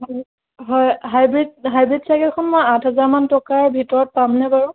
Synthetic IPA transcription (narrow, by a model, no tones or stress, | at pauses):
ɦɔ | ɦɔjɦajbɹidɦajbɹidsakɛtkʰɔnmɔjatɦazaɹmantɔkaɹbʱitɔɹɔt̚pamnɛbaɹũ